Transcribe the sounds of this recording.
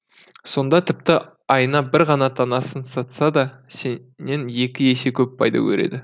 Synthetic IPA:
so̞nd̪ɑt̪ʰɪp̚t̪ɪ | ɑjnɑbɪɾʁɑnɑt̪ʰɑnɑsənsɑt̪sɑd̪ɑse | nːe̞nje̞kʲɪe̞se̞kʲʰɵp̚pʰɑjd̪ɑ̰kʲʰɵ̰ɾe̞̰d̪ɪ

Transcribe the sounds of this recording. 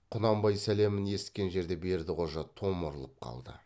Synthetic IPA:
qʰʊnɑmbɑjsæle̞mɪne̞sɪ̥t̪̚kʲe̞nʒe̞ɾd̪e̞be̞ɾd̪ɪʁo̞ʒɑt̪ʰo̞mʊɾəlˠəp̚qʰɑ̰lˠd̪ə̰

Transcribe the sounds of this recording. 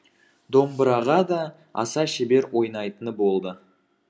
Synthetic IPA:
d̪o̞mbəɾɑʁɑd̪ɑ | ɑ̰sɑʃebe̞ɾwo̞jnɑjt̪ənəbo̞lˠd̪ə

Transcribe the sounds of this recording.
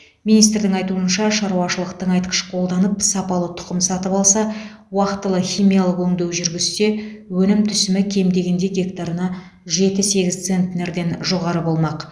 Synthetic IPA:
minijst̪ɾd̪ɪŋɑjt̪uənʃɑʃɑɾuwɑʃəlˠəq̚t̪əɴɑjt̪qə̥ʃqʰo̞lˠd̪ɑnəpsɑpɑlˠət̪ʰʊ̥qəmsɑt̪əpɑlˠsɑ | wɑqt̪ːəlˠəχʲijmijɑlˠəqwɵŋd̪e̞wʒʏɾɡʲɪzse̞wɵnɪmt̪ʰʏsɪmɪkʲʰe̞md̪e̞ɡʲe̞nd̪e̞ɡʲe̞kt̪aɾənɑ | ʒe̞t̪ɪse̞ɡʲɪzt̪se̞nt̪ne̞ɾd̪e̞nʒo̞ʁɑɾəbo̞lˠmɑq

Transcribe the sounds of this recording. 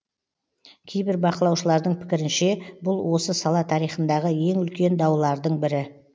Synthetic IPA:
kʲʰe̞jbɪɾbɑqəlˠɑwʃəlˠɑɾd̪əɴpʰɪ̥kʲɪɾɪnʃe̞bʊlˠwo̞səsɑlˠɑt̪ʰɑɾijχənd̪ɑʁəje̞ŋʏlkʲe̞nd̪ɑwlˠɑɾd̪əɴbɪɾɪ

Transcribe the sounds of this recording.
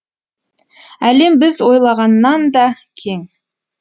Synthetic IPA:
æle̞mbɪzwo̞jlˠɑʁɑnːɑnd̪ɑkʲʰe̞ŋ

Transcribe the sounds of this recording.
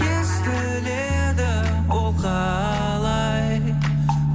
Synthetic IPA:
esb̪ɪ | le | d̪ɪ | wolˠqɑ | lˠɑ | j

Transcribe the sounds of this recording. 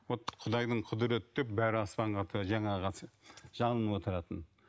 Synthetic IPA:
wot̪qʰʊd̪ɑjd̪əɴqʰʊd̪əɾet̪ɪ̥t̪ʰep̚bæɾɪɑspɑɴʁɑt̪ʰəʒɑɴɑʁɑsʒ̥ɑnˠənwo̞t̪əɾɑt̪ən

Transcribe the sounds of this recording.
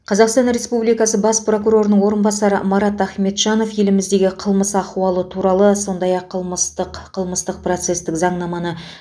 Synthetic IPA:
qʰɑzɑqst̪ɑnɾe̞spublijkɑsəbɑspro̞kuɾo̞ɾənəɴwo̞ɾənbɑsɑɾə̰mɑɾɑt̪æχme̞t̪ʒɑno̞fje̞lɪmɪzd̪e̞ɡʲɪqʰəlˠməsɑquɑlˠət̪ʰuɾɑlˠəso̞nd̪ɑjɑqʰːəlˠməst̪əqqʰəlˠməst̪əq̚pro̞t̪se̞st̪ɪkzɑɴnɑmɑnə

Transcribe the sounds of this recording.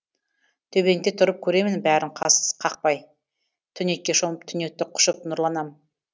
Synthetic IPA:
t̪ʰɵbe̞ŋt̪et̪ʰʊɾəp̚kʲʰɵɾe̞mɪnbæɾɪɴqʰɑsə̥z̥qʰɑq̚pɑj | t̪ʰʏne̞kʲːe̞ʃoməpt̪ʰʏnek̚t̪ːɪqʰʊ̥ʃəp̚nʊɾlˠɑnɑmən

